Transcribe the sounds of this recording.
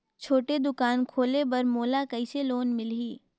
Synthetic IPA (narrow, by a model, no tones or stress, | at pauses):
t͡ʃʰoːʈed̪ʊkaːnkʰoːlebɐɾmoːlakɐiseloːnmɪlɦiː